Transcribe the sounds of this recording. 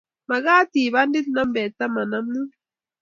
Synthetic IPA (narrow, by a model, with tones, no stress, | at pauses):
ma˨ɣaː˦ti˨βa˦ndi˦t̪na˦mbɛ˨ta˦ma˨na˦mnu˦